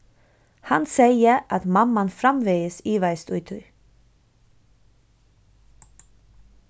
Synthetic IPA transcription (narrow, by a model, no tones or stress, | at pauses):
hɑnseɪəɑt̪mɑmɑnfɾɑmʋeɪəsiːʋæɪst̪ʉʏt̪ʰʏʏ